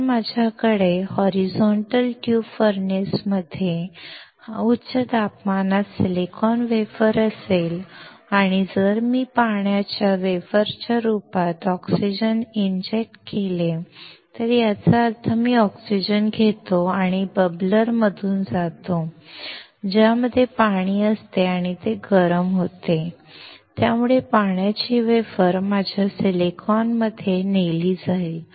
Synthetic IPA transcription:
mad͡ʑʱjakəɽehɔɾid͡zɔɳʈəlʈjufəɾnesməd̪ʱje | utːɕət̪apmanasilekʰɔnʋefəɾəsel | aɽ̃id͡zəɾmiːpaɳjat͡ɕjaʋefəɾt͡ɕjaɾupat̪ɔksid͡ʑənind͡ʑek̚ʈkelet̪əɾjat͡saəɾt̪ʰəmiːɔksid͡ʑənɡʱet̪oaɽ̃ibəbləɾməd̪ʱuːnd͡zat̪o | d͡ʑjaməd̪ʱːjepaɽ̃iːəst̪eaɽ̃it̪eɡəɾəmɦot̪e | t̪jamuɭepaɳjat͡ɕiːʋefəɾmad͡ʑʱjaselekʰɔnməd̪ʱːjeneliːd͡zaeil

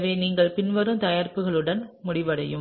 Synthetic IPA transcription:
ʋeːniːŋɡɐɭpɪnʋɐɾɯmt̪ɐjaːɾpɯɣɐɭɯɽɐnmʊɽɪʋɐɽɐjɯm

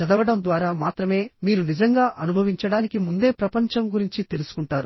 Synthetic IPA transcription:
ɐd̪ɐɐɽɐmd̪ʋaːɾaːmaːt̪ɾɐme̞ːmiːɾunid͡ʒɐŋɡaːʔɐnubʱɐʋiɲt͡ʃɐɽaːnikimund̪e̞ːpɾɐpɐɲt͡ʃɐmɡuɾiɲt͡ʃit̪e̞lusu̥kuɳʈaːɾu

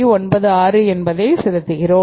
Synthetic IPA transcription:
iɔnbɐðɯaːɾɯɛnbɐðɐɪsɪðɐt̪ːɯɣɪɾoː

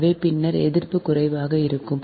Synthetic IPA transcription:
ʋeːpɪnːɐɾɛ̰ðɪrpɯkʊrɐɪʋaːɣɐɪɾɯkːɯm

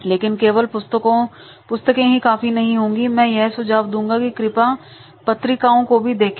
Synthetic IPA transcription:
leːkɪnkeːʋəlpʊst̪əkõ | pʊst̪əkẽɦikaːfinɐɦĩɦõːŋɡimɛ̃ːjɛɦsʊd͡ʒaːʋd̪ũːŋɡakikɾɪpa | pɐt̪ɾɪkaːõkobʱid̪eːkʰ

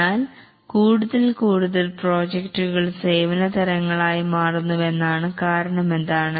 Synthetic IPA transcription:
aːl | kuːɽuðɐlkuːɽuðɐlpro̞ːd͡ʑekʈːuɣɐɭse̞ːʋɐnɐt̪ɐɾɐŋːɐɭaːjimaːrunːuʋe̞nːaːɳɨkaːɾɐɳɐme̞nd̪aːɳɨ

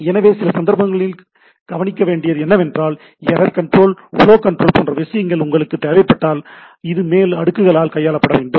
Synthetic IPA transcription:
ɛnɐʋeːsɪlɐsɐnd̪ɐɾpɐŋɡɐɭɪl | ɡ̥ɐʋɐnɪkːɐʋeːɳɖɪjɐðɯɛnːɐʋɛndraːl | ɛɾɐɾkɐɳʈɾoːlʊ̰loːkɐɳʈrɾoːlpoːndrɐʋɪsɐjɐŋɡɐɭʊŋɡɐɭɯkːɯt̪ːeːʋɐɪpːɐʈːaːl | ɪðɯmeːlɐɽɯkːɯɣɐɭaːlkɐjːaːɭɐpːɐɽɐʋeːɳɖɯm

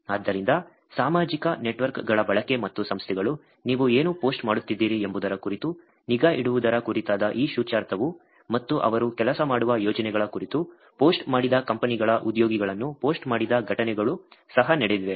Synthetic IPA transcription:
aːd̪ːɐɾind̪ɐ | saːmaːd͡ʒikɐneʈʋɐɾkɡɐɭɐbɐɭɐke̞mɐt̪ːusɐmst̪ʰɛɡɐɭu | niːʋueːnupo̞ːsʈmaːɽut̪ːid̪ːiːɾiembud̪ɐɾɐkuɾit̪u | niɡaːʔiɽuʋud̪ɐɾɐkuɾit̪aːd̪ɐʔiːʃuːt͡ʃaːɾt̪ʰɐʋu | mɐt̪ːuʔɐ̰ʋɐɾukɛlɐsɐmaːɽuʋɐjɔːd͡ʒɐnɛɡɐɭɐkuɾit̪u | po̞ːsʈmaːɽid̪ɐkɐmpɐniɡɐɭɐʔud̪joːɡiɡɐɭɐnːupo̞ːsʈmaːɽid̪ɐɡʱɐʈɐnɛɡɐɭusɐɦɐnɛɽed̪iʋe̞

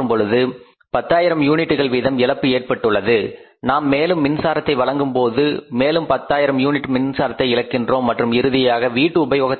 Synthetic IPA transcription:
ɯmpɔɻɯðɯ | pɐt̪ːaːjɪɾɐmjuːnɪʈːɯɣɐɭʋiːðɐmɪɭɐpːɯeːrpɐʈːɯɭːɐðɯ | naːmːeːlɯmːɪnsaːɾɐt̪ːɐɪʋɐɭɐŋɡɯmpoːðɯmeːlɯmpɐt̪ːaːjɪɾɐmjuːnɪʈːmɪnsaːɾɐt̪ːɐɪɪɻɐkːɪndroːmːɐʈrɯmɪɾɯðɪjaːɣɐʋiːʈːɯʊbɐjoːɣɐt̪ː

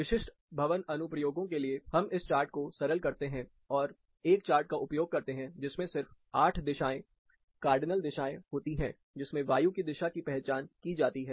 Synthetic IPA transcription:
ʋɪʃɪʃʈ | bʱɐʋənɐnʊpɾəjoːɡõkeliehɐmɪst͡ʃaːɾʈ̚kosɐɾəlkɐɾt̪eɦɛ̃ | ɔːɾ | eːkt͡ʃaːɾʈ̚kaʔʊpjoːɡ̚kɐɾt̪eɦɛ̃d͡ʒɪsmẽsɪɾfaːʈʰd̪ɪʃaːẽ | kaːɾɖɪnəld̪ɪʃaːẽɦoːt̪iɦɛ̰̃ː | d͡ʒɪsmẽʋaːjukid̪ɪʃakipɛɦt͡ʃaːnkid͡ʒaːt̪iɦɛː

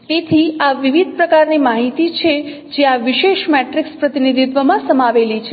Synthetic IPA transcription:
t̪et̪ʰiaʋiʋid̪̚ʱpɾəkaɾnimaɦit̪it͡ʃʰe | d͡ʒeaʋiʃeʃmɛʈɾikspɾət̪inid̪ʱit̪ʋəmãsəmaʋelit͡ʃʰe

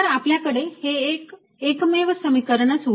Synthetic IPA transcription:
ɾapljakəɽehekː | kmeʋəsəmikəɾəɳət͡sɦ

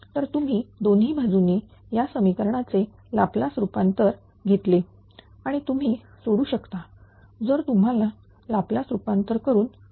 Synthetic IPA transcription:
t̪əɾt̪um̤iːd̪onɦiːbʱad͡zune | jasəmikəɾɳ̃at͡se | laplasɾupant̪əɾ | ɡʱet̪le | aɽ̃it̪um̤iː | soɽuːɕəkt̪a | d͡zəɾt̪um̤ala | laplasɾupant̪əɾkəɾuːn

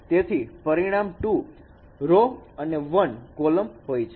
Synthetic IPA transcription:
t̪et̪ʰipəɾiɽ̃amʈu | ɾoəneʋənkoləmɦojt͡ʃʰe

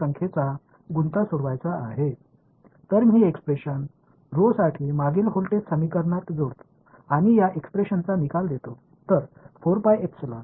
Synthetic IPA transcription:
əŋkʰet͡sa | ɡunt̪asuɽʋajt͡saːɦe | t̪əɾmiːekspɾeɕən | ɾosaʈʰimaɡiːlɦolʈet̪səmikəɾɳat̪d͡zoɽt̪o̥ | aɽ̃ijaʔekspɾeɕənt͡sanikald̪et̪o | t̪əɾfoɾpajeksla

